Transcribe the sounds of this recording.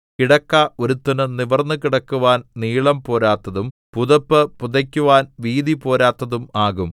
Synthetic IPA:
kiɽɐkːao̞ɾut̪ːɐnɨniʋɐrnːɨkiɽɐkːuʋaːnniːɭɐmpo̞ːɾaːt̪ːɐðum | puðɐpːɨpuðɐkʲːuʋaːnʋiːðipo̞ːɾaːt̪ːɐðumaːɣum

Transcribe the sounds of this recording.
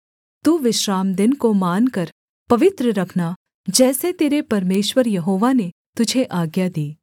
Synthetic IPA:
t̪uːʋɪʃɾaːmd̪ɪnkomaːnkɐɾ | pɐʋɪt̪ɾəɾɐkʰna | d͡ʒɛːset̪eːɾepɐɾmeːʃʋəɾjɐɦoːʋane | t̪ʊd͡ʒʱeʔaːɡjad̪iː

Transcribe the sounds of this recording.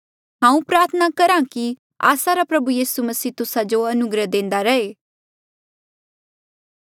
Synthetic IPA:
ɦãːũpɾaːɾt̪ʰənakɐɾãki | a̰ːsaɾapɾɐbujiːsumɐsiːt̪ʊsad͡ʒoɐnʊɡɾəd̪ẽːn̆d̪aɾɐeː

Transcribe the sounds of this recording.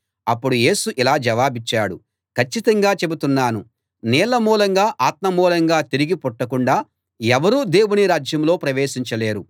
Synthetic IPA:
ɐpːuɽuje̞ːsuʔilaːd͡ʒɐʋaːbit͡ʃːaːɽu | kɐt͡ʃːit̪ɐŋɡaːt͡ʃebut̪unːaːnu | nɛːlɐmuːlɐŋɡaːʔaːt̪̚mɐmuːlɐŋɡaːt̪iɾiɡipɔʈːɐkuɳɖaː | ɛʋɐɾuːd̪e̞ːwuniɾaːd͡ʒjɐmlo̞ːpɾɐʋe̞ːʃiɲt͡ʃɐle̞ːɾu

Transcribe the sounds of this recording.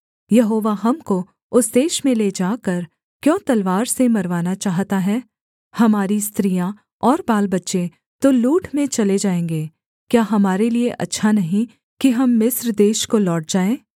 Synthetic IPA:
jɐɦoːʋaɦɐmko | ʊsd̪eːʃmẽleːd͡ʒaːkɐɾ | kjɔ̃ːt̪ɐlʋaːɾsemɐɾʋaːnat͡ʃaːɦt̪aɦɛː | hɐmaːɾist̪ɾijã | ɔːɾbaːlbɐtːʃe | t̪oluːʈʰmẽt͡ʃɐled͡ʒaːẽːŋɡeː | kjaːɦɐmaːɾelieʔɐ̰tːʃʰanɐɦĩ | kiɦɐmːɪsɾd̪eːʃkolɔːʈ̚d͡ʒaːẽː

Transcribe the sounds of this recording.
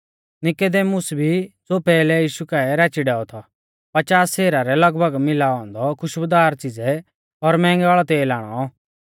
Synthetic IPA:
nɪkod̪eːmʊsbʱit͡sopɛːlɛjiːʃukaɛɾat͡ʃiɖɛːɔt̪ʰɔ | pɐt͡ʃaːsːɛːɾaɾɛlɐɡbʱəɡmɪlaːɔ̃nd̪ɔkʰʊʃbəd̪aːɾt͡sɪd͡zɛ | ɔɾmɛ̃ːŋɡaːɭɔt̪eːlaːɽ̃ɔ̰

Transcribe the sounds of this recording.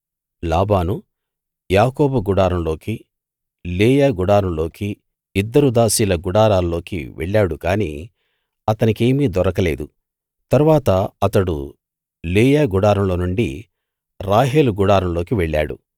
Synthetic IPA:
laːbaːnu | jaːkoːbɐɡuɽaːɾɐmlo̞ːki | leːjaːɡuɽaːɾɐmlo̞ːki | id̪ːɐɾud̪aːsiːlɐɡuɽaːɾaːllo̞ːkḭʋʔḛɭːaːɽukaːnḭː | ɐt̪ɐnike̞ːmiːd̪ɔɾɐkɐle̞ːd̪u | t̪ɐɾuʋaːt̪ɐɐt̪ɐɽṵ | leːjaːɡuɽaːɾɐmlo̞ːnuɳɖḭ | ɾaːɦeːluɡuɽaːɾɐmloːkiʋɛɭːa̰ːɽṵ

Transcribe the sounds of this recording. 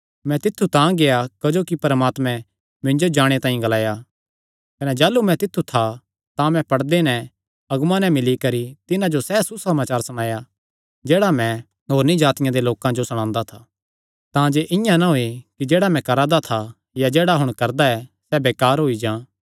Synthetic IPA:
mɛ̃t̪ɪt̪ʰːut̪ãːɡejakɐd͡ʒoːkipɐɾmaːt̪mɛ̃ | mɪ̃nd͡ʒod͡ʒaːɽ̃et̪ãːĩɡɐlaːja | kɐnɛd͡ʒaːlumɛ̃t̪ɪt̪ʰːut̪ʰa | t̪ãmɛ̃pɐɽd̪enɛ̃ | ɐɡmãnɛ̃mɪlikɐɾit̪ɪnãd͡ʒosɛsusɐmaːt͡ʃaːɾsɐɽ̃aːja | d͡ʒeːɽamɛ̃ | ɦoːɾnid͡ʒaːt̪ɪjãd̪eloːkãd͡ʒosɐɽ̃ãːnd̪at̪ʰaː | t̪ãːd͡ʒeʔɪ̃jãnaɦoikid͡ʒeːɽamɛ̃kɐɾaːd̪at̪ʰa | jad͡ʒeːɽaɦʊɽ̃kɐɾd̪aɛsɛbeːkaːɾɦoid͡ʒãː

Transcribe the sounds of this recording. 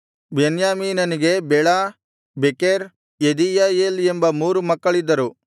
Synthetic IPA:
benjaːmiːnɐniɡe̞bɛɭaː | bekeɾ | ed̪ijaːjeːlembɐmuːɾumɐkːɐɭid̪ːɐɾu

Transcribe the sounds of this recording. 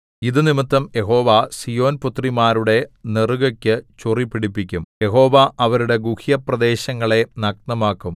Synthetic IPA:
iðɨnimɨt̪ːɐmjʔe̞ɦo̞ːʋasijo̞ːnput̪rimaːɾuɽe̞neruɣɐkʲːɨt͡ɕuripːiɽipːikʲːumje̞ɦo̞ːʋaʔɐʋɐɾuɽe̞ɡuhijɐprɐd̪e̞ːɕɐŋːɐɭe̞nɐk̚nɐmaːkːum

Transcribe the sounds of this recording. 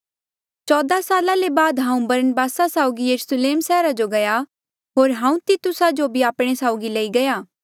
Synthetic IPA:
t͡ʃɔːd̪asaːlalebaːd̪ɦãːũbɐɾənəbaːsasaːʊɡijəɾusleːmsɛːɾad͡ʒoɡɐja | ɦoːɾɦãːũt̪it̪ʊsad͡ʒobʱiaːpɽ̃esaːʊɡileiɡɐjaː

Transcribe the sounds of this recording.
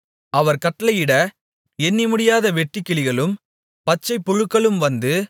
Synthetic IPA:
ɐʋɐɾkɐʈːɐlɐɪjɪɽɐ | ɛnːimʊɽɪjaːðɐʋɛʈːɪkːɪɭɪɣɐɭɯm | pɐt͡ʃːɐɪpːʊɻɯkːɐɭɯmʋɐnd̪ɯ

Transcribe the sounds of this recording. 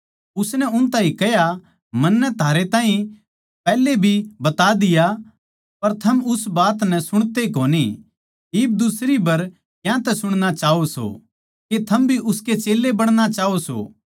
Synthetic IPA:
ʊsnɛʊnt̪ãːĩkɛja | mɐnːɛt̪ʰaːɾet̪ãːɦĩ | pɛːlebʱibɐt̪ad̪ɪja | pɐɾt̪ʰɐmʊsbaːt̪nɛ̃sʊɽ̃t̪ekoːni | ɪːb̚d̪ʊsɾibɐɾ | jãt̪ɛsʊɽ̃ñat͡ʃaːoso̰ | ket̪ʰɐmbʱiʔʊsket͡ʃeːlːebɐɽ̃ɽ̃at͡ʃaːoso̰ː

